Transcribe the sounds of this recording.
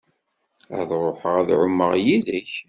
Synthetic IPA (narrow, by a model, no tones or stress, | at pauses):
ə̰ðˤɾˤoħəʁæðʕʊmːəʁjiðiç